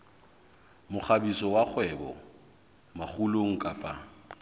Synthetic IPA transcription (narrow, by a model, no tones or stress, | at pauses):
mʊχabisɔwak͡xʰwɛbɔ̰ | maχuloŋ̩kʼapʼa